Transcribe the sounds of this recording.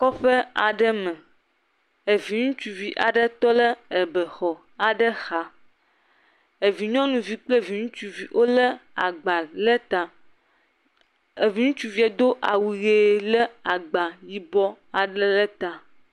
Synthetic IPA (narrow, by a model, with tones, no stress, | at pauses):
kɔ˦ɸə˦a̰˨ɖə˦mɛ̃˨ | e˨vi˨ŋũ˦t͡ʃu˨vi˨ʔa̰˨ɖə˦t̪ɔ˦lə˦ɛ˨bə˨xɔ˨ | a˨ɖə˦xa˨ | e˨vi˨ɲɔ̃˦nũ˨vi˨k͡ple˦vi˨ŋũ˦t͡ʃu˨vi˨ʔo˦lə˦a̰˨ɡ͡ba˨lə˦t̪a˨ | e˨vi˨˦ŋũ˦t͡ʃu˦vi˦ɛ˨d̪o˦ʔa˨wi˨ɣe˨lə˦a˨ɡ͡ba˨ji˦bɔ˦ | a˨ɖə˦lə˦t̪a˨